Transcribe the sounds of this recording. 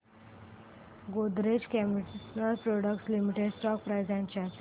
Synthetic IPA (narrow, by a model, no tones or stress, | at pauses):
ɡod̪ɾed͡ʑkɛmsnəlpɾɔɽəkʈslimiʈeɖsʈɔk̚pɾajd͡zãɲt͡ɕjat̪